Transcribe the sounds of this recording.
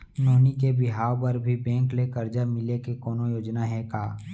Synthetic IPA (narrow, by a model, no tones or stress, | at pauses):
noːnikebɪɦaːwpəɾbʱibɛ̃ːŋklekəɾd͡ʒamɪlekekɔːnojoːd͡ʒnaɦɛkaː